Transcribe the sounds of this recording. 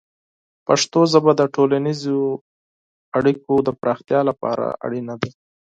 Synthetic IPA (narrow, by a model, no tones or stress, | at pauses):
paʂt̪ozabad̪əʈolanizo | aɽikod̪əpɾɑxt̪jɑlapɑ̰ɾa̰ʔa̰ɽinad̪e